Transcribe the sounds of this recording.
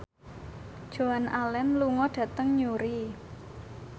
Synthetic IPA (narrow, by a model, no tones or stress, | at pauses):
d̥ʒ̥oanʔalɛnluŋɔɖ̥ä̤t̪əŋɲuɾi